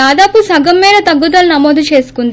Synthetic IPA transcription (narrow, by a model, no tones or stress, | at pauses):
aːd̪aːpusɐɡɐmːiːd̪ɐt̪ɐɡːud̪ɐlnɐmoːd̪ut͡ʃe̞ːsu̥kund̪